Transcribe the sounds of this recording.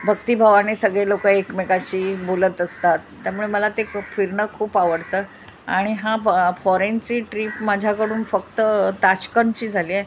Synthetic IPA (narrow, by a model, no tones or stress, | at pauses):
bʱəkt̪iːbʱaʋanesəɡɭelokəekmekaɕiːbolət̪əst̪at̪ːjamuɭeməlat̪efiɾɳəkʰuːpaʋəɽt̪əː | a̰ɽ̃iɦãfɔɾent͡siːʈɾiːpmad͡ʑʱjakəɽuːnfəkt̪ət̪at͡ɕkənt͡ɕiːd͡zʱaliːe